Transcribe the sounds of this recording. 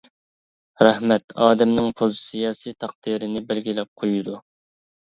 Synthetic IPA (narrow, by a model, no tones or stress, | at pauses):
ɾæhmɛt̪ɑːd̪ɛmnɪŋpʰolsijɑːsijt̪ʰɑqd̪iɾɪnɪbɛlɡʲilɛp̚qʰojud̪u